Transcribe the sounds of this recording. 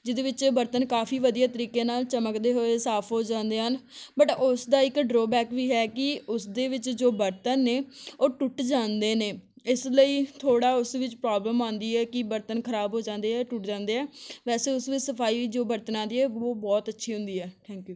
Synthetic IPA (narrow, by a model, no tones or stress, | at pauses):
d͡ʒɪd̪eːʋɪt͡ʃbəɾt̪ənkaːpʰiːʋəd̪ijaːt̪əɾiːkeːnaːlt͡ʃəməkd̪eːɦoːeːsaːpʰɦoːd͡ʒãːnd̪eːɦənbəʈʊsd̪aːɪkɖɾoːbɛːkʋiːɦɛːkɪʊsd̪eːʋɪt͡ʃd͡ʒoːbəɾt̪ənːeːoːʈʊʈd͡ʒãːnd̪eːneː | ɪsləiːt̪ʰoːɽaːʊsʋɪt͡ʃpɾaːbləmãːnd̪iːɛːkɪbəɾt̪ənkʰəɾaːbɦoːd͡ʒãːnd̪eːɛːʈʊʈd͡ʒãːnd̪eːɦɛːʋɛːseːʊsʋɪt͡ʃsəpʰaːiːʋiːd͡ʒoːbəɾt̪ənãːnd̪iːɦɛːoːbɔːt̪ətːʃʰiːɦʊ̃nd̪iːɛːʈʰɛ̃ːŋkjuː